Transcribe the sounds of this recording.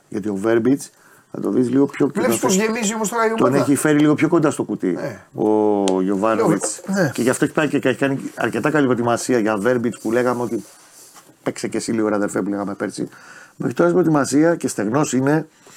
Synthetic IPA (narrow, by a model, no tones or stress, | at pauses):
ʝɐ̰t̪io̞ve̞ɾbit͡s | θɐ̰t̪o̞̰ðizliɣo̞pço̞soʝemisiomost̪okɐʎot̪oneçife̞ɾiliɣo̞pço̞ko̞nd̪ɐst̪o̞kut̪ḭoʝo̞vɐnovit͡snceʝɐft̪oeçi̥pɐicekeçikɐniɐ̰ɾce̞t̪ɐkɐlipɾo̞t̪imɐsiɐʝɐve̞ɾbit͡spule̞ɣɐmeo̞t̪i | peksecesizliɣoɾɐðelfepule̞ɣɐme̞peɾsḭmexɾit̪o̞ɾɐsipɾo̞t̪imɐsiɐce̞st̪e̞ɣno̞sine̞